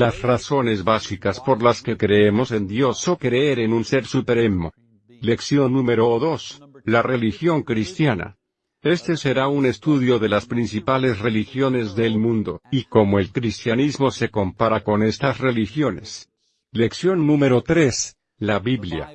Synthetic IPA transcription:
lasraso̞ne̞zβasikaspo̞ɾlaske̞kɾe̞emo̞se̞nd̪jo̞so̞kɾeeɾe̞nunse̞ɾsupeɾemo̞ | le̞ksjo̞nːũme̞ɾo̞ðo̞slare̞lixjo̞ŋkɾist̪jana̰ | e̞st̪e̞se̞ɾaune̞st̪uðjo̞ðe̞laspɾinsipale̞sre̞lixjo̞nezðe̞lmũnd̪o̞̰iko̞mo̞e̞lkɾist̪janizmo̞se̞ko̞mpaɾako̞ne̞st̪asre̞lixjo̞ne̞̰s | le̞ksjo̞nːũme̞ɾo̞t̪ɾe̞s | laβiβlja̰

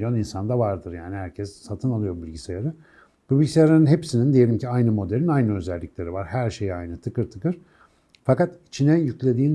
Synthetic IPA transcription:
joninsand̪avaɾd̪ɯɾjaːnihæɾcʰɛsːat̪ʰɯnalˠɯjo̞bilʲɟisejaɾɯ | bubilʲɟisejaɾɯnɯnɦepsinind̪ije̞lʲimciajnɯmo̞d̪elʲinajnɯø̞zɛlʲːiclʲe̞ɾivaɾhæɾʃe̞jajnɯt̪ʰɯkɯɾt̪ʰɯ̥kɯɾ̥ | fakat̪it͡ʃʰinɛjyclʲe̞d̪iːn

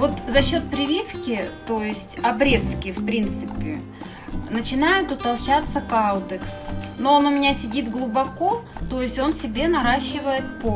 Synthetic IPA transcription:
vo̞t̪zɐɕːo̞t̪̚pɾʲɪvʲifkʲɪt̪o̞jɪsʲtʲɐbɾʲe̞skʲɪfpɾʲint̪sɨpʲɪ̰ | nət͡ɕɪnajɪt̪ʊt̪ɐlˠɕat̪sːəkad̪əksnoonʊmʲɪnʲasʲɪdʲit̪ɡlˠʊbɐko̞t̪o̞jɪsʲtʲo̞nsʲɪbʲe̞nɐɾaɕːɪvəjɪt̪̚po

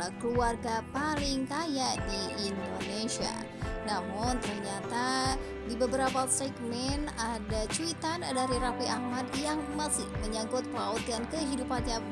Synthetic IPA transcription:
akəluarɡapalɪŋkajadiːndonesia̰ | namʊnt̪ərɲat̪a | dibəbəɾapasɛɡ̚mɛnadat͡ʃuit̪andaɾiɾafiʔahmadjaŋmasɪhməɲaŋɡʊt̪̚pəlaut̪̚ɡankəɦidupaɲa

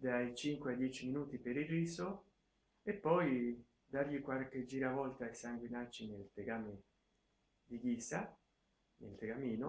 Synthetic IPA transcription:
d̪ajt͡ʃiŋkwead̪jɛt͡ʃiminuːt̪ipeɾiriːso | epːɔj | d̪aɾʎikwaɾked͡ʒːiːɾavɔlt̪ajsaŋɡwinat͡ʃːinelt̪ekaːme | d̪iɡiːsa | nḛlt̪ekamiːno

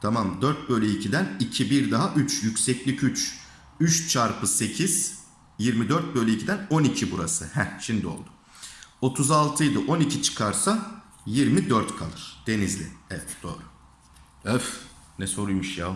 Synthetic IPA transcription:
t̪ʰamamd̪øɾt̪̚bø̞jlʲeɛicʰid̪ænicʰibiɾd̪aɦaʔyt͡ʃjycʲsɛclʲicʰyt͡ʃ | yt͡ʃt͡ʃʰaɾpʰɯse̞cʰiz̥ | jiɾmid̪øɾt̪̚bø̞jlʲeicʰid̪æno̞nicʰibuɾasɯhænʃimd̪io̞̰lˠd̪ʊ̥ | o̞t̪ʰuzalˠt̪ʰɯjd̪ɯʔo̞nicʰit͡ʃʰɯ̥kʰaɾsa | jiɾmid̪øɾt̪kʰalˠɯɾ̥d̪̥e̞nizlʲɪ̰ɛɛt̪d̪̥o̰ːɾʊ | øf | nɛso̞ɾujmɯʃjaː

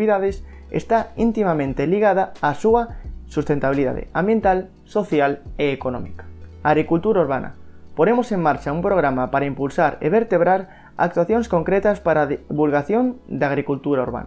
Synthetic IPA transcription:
iðaðɪs | ḛst̪aint̪imamẽnt̪eliɣaðaasuɐsust̪ẽnt̪aβiliða̰ðḛãmbjent̪al | soθjaleːkonɔ̰mikḁaːɣɾikult̪uɾauɾβanɐ̰poɾemoseŋmaɾt͡ʃaumpɾoɣɾamapaɾaimpulsaɾḛβeɾt̪eβɾaɾ | a̰k̚t̪waθjõŋskoŋkɾet̪aspaɾaðiβulɣaθjond̪aɣɾikult̪uɾauɾβa̰n

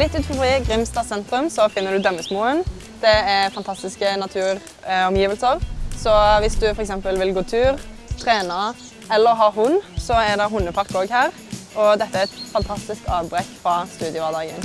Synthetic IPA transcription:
lɪt̪ːʉːt̪fɔfʁɪɡʁɪmst̪ɑːsɛnt̪ʁʉmsɔfɪnːəʁd̪ʉd̪œmːəsmuːən | d̪̥ɛɛfɑnt̪ʰɑst̪ɪskənɑt̪ʰʉːɾ | ɔmjiːʋəlsəɾsɔʋɪsd̪ʉfɔɾɛksɛmpəlʋɪlɡuːt̪ʰʉːʁ | t̪ʰʁeːnɑ | ɛlːəɾɦɑːɦʊnːsɔɛʁd̪ɛɦʊnːəpʰɑʁkoːɡhæːʁ | ɔd̪ɛt̪ːəæɾɛt̪fɑnt̪ʰɑst̪ɪsk̪ɑːʋbɾɛkfʁɑst̪ʉːd̪ɪʊʋɑːd̪ɑːɡən

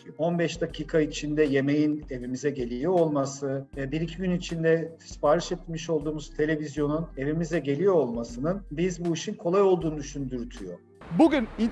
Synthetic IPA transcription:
o̞nbɛʃd̪acʰiːkʰait͡ʃʰind̪ɛje̞mejine̞vimizɛɟe̞lʲijoolˠmasɯvɛbiɾicʰiɟynit͡ʃʰind̪ɛ | spaːɾɯʃɛt̪miʃo̞lˠd̪uːmuz̥t̪ʰe̞lʲe̞vizjo̞nune̞vimizɛɟe̞lʲijo̞ːlˠmasɯnɯnbizbuiʃinkʰo̞lˠajo̞lˠd̪uːnud̪yʃynd̪yɾt̪ʰyjo̞̰ | buɟyni

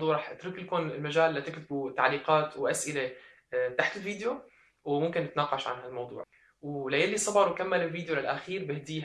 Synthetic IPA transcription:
d̪ˤuːʕɾˤɑːħɪt̪ɾɪklkʊnɪlmaʒaːlːat̪ɪkt̪ɪbut̪a̰ʕliːqaːt̪wʔasʔɪle | t̪aħt̪ɪlviːd̪jo | wmʊmkɪnːɪt̪nɑːqɑʃʕa̰nɦalmɑwd̪ˤṵːʕ | wlajalːisˤɑbɑɾwkamːalɪlviːd̪jolɪlʔaxiːɾbɪhd̪iːh

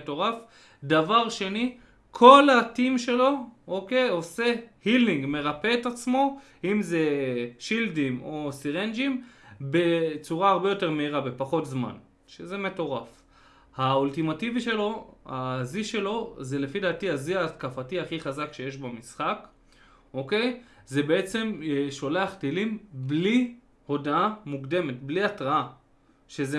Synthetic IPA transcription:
to̞ʁaf | d̪avaʁʃe̞ni | kʰo̞latimʃe̞lo̞okeo̞se̞hiliŋɡme̞ʁape̞ːtat͡smo̞ | imze̞ʃildimo̞siʁend͡ʒimbe̞t͡suʁaːʁbejo̞te̞ʁme̞iʁabe̞paχo̞tzma̰n | ʃezeme̞to̞ʁaf | haultimativiʃe̞lo̞haziʃe̞lo̞ze̞le̞fidaːtiaziaːtkafatiaχiχazakʃe̞je̞ʃbamisχak | o̞ke̞j | ze̞be̞e̞t͡se̞mʃo̞le̞aχtilimbli | ho̞daamukde̞me̞tbliatʁaa | ʃe̞ze

